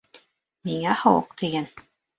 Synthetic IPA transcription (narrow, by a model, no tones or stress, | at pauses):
miŋæhɤwɤ̰qt̪iɡæn